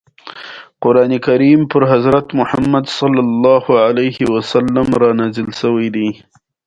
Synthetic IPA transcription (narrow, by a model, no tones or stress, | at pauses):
qʊɾɑnekaɾimpəɾɦazɾat̪mʊħamːad̪sɑlːɑlːɑhʊʕalajhɪwasalːamɾɑnazəlsəwajd̪i